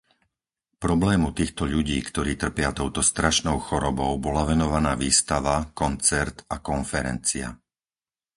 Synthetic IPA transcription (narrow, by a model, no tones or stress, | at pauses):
pɾɔblɛːmut̪iːxt̪ɔʎuɟiːkt̪ɔɾiːt̪r̩pɪat̪ɔʊt̪ɔst̪ɾaʃnɔʊxɔɾɔbɔʊbɔlaʋɛnɔʋanaːʋiːst̪aʋakɔnt͡sɛɾt̪akɔnfɛɾɛ̰nt͡sia̰